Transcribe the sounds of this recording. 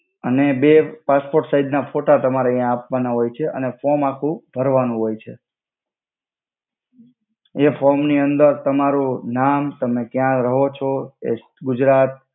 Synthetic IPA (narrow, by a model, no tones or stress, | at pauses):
ənebepaspoɾʈsaid̪nafoʈat̪əmaɾaijãːpʋanaɦojt͡ʃʰeʔə̰nefɔɾmakʰũbʱəɾʋanũɦojt͡ʃʰe | efʰɔɾmniənd̪əɾt̪əmaɾunamt̪əmekjãɾəɦot͡ʃʰɔḛ | ɡʊd͡ʒɾat̪̚